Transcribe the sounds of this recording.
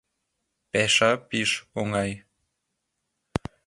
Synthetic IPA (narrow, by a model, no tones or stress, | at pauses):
pɛʃapiʃoŋɑj